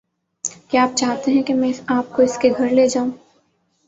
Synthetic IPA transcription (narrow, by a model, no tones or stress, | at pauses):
keaːp̚t͡ʃaːɦt̪eɦɛ̃kemɛ̃aːp̚koɪskeɡʱɐɾleːd͡ʒaːũː